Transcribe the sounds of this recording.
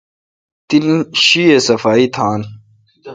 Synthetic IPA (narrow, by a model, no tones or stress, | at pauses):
t̪inɕiesɐfaːit̪ʰaːn